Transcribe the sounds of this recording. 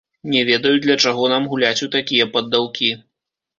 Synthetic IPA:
nʲɛvʲɛd̪ɐjud̪lʲɐt͡ʂaɣɔnamɣulʲat͡sʲut̪akʲijɐpɐd̪ːawkʲi

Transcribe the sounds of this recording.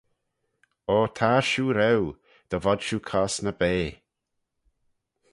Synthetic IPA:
oːt̪ʰaːʃuːɾɛw | d̪̥əvɔd̪ʃuːkʰɔsnəbeː

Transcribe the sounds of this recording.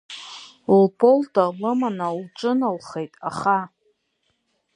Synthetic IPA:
lpʰoltʼalɨmanawuʈ͡ʂʼɨnalχejtʼa̰χa

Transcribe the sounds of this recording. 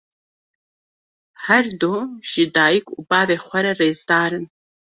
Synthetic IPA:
ħɐrdoːʃɪdaːjɪkʷʼubaːveːχʷɐɾɐreːzdaːɾɨn

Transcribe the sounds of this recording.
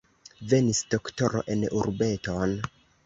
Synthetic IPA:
ve̞nisd̥o̞kto̞ɾo̰ʔe̞nuɾbe̞to̞n

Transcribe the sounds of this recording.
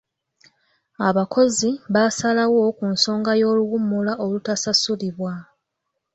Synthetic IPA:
aβako̞ziβasalawo̞kunso̞ːŋɡajo̞ːluwumːulaʔo̞lutasasuliβwa

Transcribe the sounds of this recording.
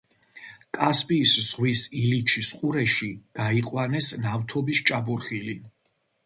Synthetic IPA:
kʼaspʼiːszʁwisilit͡ʃʰisqʼuɾɛʃiɡ̥aiqʼwanɛsnaft̪ʰɔbist͡ʃʼabuɾχili

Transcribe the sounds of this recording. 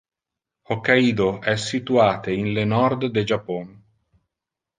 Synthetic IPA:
hokːaiːd̪oʔɛsːit̪uaːt̪einlenɔrd̪ːed͡ʒapːɔn

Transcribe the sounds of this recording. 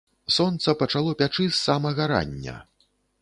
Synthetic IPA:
sɔnt̪sɐpɐt͡ʂalˠɔpʲat͡ʂɨsːamɐɣɐɾa̰nʲːɐ̰

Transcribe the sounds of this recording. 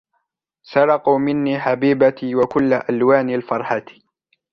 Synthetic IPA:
sɑɾˤɑquːmɪnːiːħabiːbat̪iwakʊlːaʔalwaːnalfɑɾˤħat̪

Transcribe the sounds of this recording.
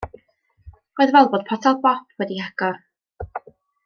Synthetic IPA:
roːɨðvɛlˠboːd̥̚pʰɔtʰalˠbɔpʰwɛdihaɡ̥ɔ

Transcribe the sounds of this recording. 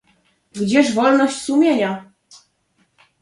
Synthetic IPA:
ɡd͡ʑɛʂvɔlnɔɕt͡ɕsumʲjeɲa

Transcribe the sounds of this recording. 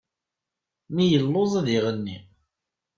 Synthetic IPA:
mijəlːozˤɑðiʁənːḭ

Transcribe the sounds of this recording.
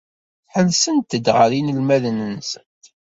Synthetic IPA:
θħənsənt̪ːəd̪ʁəɾinəlmæðənənsənt̪

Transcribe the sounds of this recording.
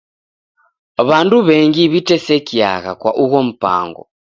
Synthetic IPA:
βanduβɛŋɡiβitɛsɛkia̰ɣa̰kwaʔuɣɔm̩pa̰ːŋɡɔ̰

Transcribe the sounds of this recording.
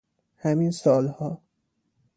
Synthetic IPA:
hæminsɒːlhɒː

